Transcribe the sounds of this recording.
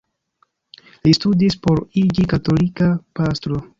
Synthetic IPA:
listudispo̞ɾid͡ʒikato̞likapastɾo̞

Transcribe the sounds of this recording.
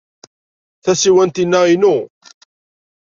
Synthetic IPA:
θæsiwænt̪inːæinu

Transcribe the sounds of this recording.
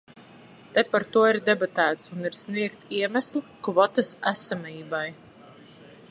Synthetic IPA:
t̪epaɾt̪uɔiɾd̪ɛbat̪æːt̪suniɾsniɛkt̪iɛmæslˠikvɔt̪asæsamiːbaj

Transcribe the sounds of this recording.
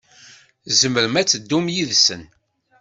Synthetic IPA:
zəməɾəmæt͡sːəd̪ːumjiðsə̰n

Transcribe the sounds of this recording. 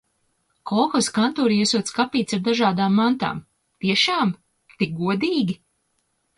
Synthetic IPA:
kɔxɔskant̪uːɾiiɛsuɔt̪skapiːt̪saɾd̪aʒaːd̪aːmːant̪a̰ːm | t̪iɛʃaːm | t̪ik̚ɡuɔd̪iːɡʲi

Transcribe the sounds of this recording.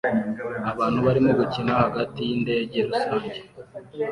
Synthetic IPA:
aβaːn̥huβaɾimo̞ɡucinahaɡatijinde̞ɟeɾusoɾɟe

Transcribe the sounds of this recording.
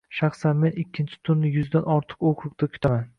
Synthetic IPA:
ʃɑχsanme̞nɪkʲʰːɪnt͡ʃʰɪ̥t̪ʰʊnːɪjʊzd̪anɒɾt̪ʰɨ̥qoqʰɨq̚t̪akʰʊ̥t̪ʰaman

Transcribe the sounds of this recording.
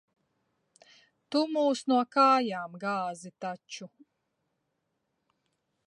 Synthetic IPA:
t̪umuːsnuɔkaːjaːmɡaːzit̪at͡ʃu

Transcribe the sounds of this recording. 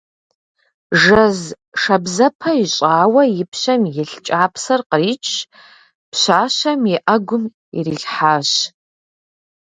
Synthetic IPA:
ʐɐz | ʂɐbzɐpʰɐiɕʼaːwɐjɪpʰɕʷɐmjɪɬt͡ʃʼaːpʰsɐrqəriːt͡ʃʰ | pɕʷaːɕɐmiʔɐɡʷʊm | ḭriɮħaːɕ

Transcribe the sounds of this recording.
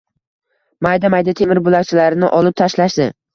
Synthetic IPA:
majd̪amajd̪at̪ʰe̞mɪɾbʊlakt͡ʃʰɪlaɾɪnɪʔɒlˠɪp̚t̪ʰaʃlaʃd̪ɪ

